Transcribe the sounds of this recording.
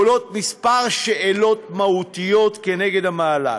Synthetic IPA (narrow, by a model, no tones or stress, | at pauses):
lo̞t̪mispaʁʃʃeʔelo̞t̪mahut̪ijo̞t̪keneɡe̞d̪hamaːla̰